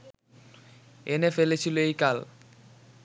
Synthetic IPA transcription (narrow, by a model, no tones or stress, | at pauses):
enefelet͡ɕʰiloejkal